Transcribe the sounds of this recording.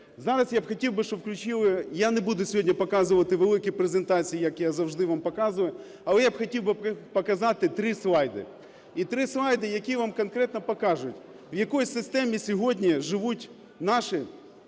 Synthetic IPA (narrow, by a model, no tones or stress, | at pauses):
zɑɾɐsjabxɐtʲiwbɪʃt͡ʃɔbwklʲʊt͡ʃilˠɪjanɛbud̪ʊsʲɦodʲnʲɐpɐkɑzɨʋɐt̪ɪʋelˠɪkɪpɾezent̪ɑt͡sʲijijɐkjazɐwʐd̪ɪʋampɐkɑzʋɐjʊ | ɐlˠɛjabxɐtʲiwbɪpɐkɐzɑt̪ɪt̪ɾɪsʋˠɑjd̪ɪ̰ | it̪ɾɪsʋajd̪ɪjɐkʲijʋamkɐnkɾɛt̪nɐpɐkɑʐʊtʲ | wjɐkɔjsɪst̪ɛmʲisʲɔɦodʲnʲiʒɪʋutʲ | nɑʃɪ